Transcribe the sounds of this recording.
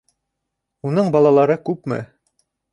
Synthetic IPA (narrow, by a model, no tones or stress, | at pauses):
unɤɴbɑlˠɑlˠɑɾɤkʉpmɘ̰